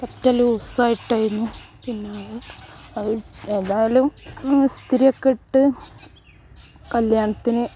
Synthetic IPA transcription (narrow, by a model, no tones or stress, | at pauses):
kɐtːɐluːsaːjiʈːaːjɾunːupinːeɐ | ɐðɨe̞ːðaːlumst̪ʰiɾijɐkːeʈːɨ | kɐljaːɳɐt̪ːinɨ